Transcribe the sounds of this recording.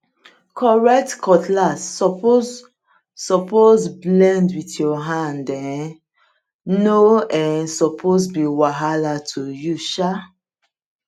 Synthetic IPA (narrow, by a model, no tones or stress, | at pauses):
kʰɔɹɛk̚tkɔtlasɔo | sɔpozblɛ̃ndwitjɔɦãndɛ̃ | noɛ̃nsɔpʰozbiwaɦalatʰujuʃa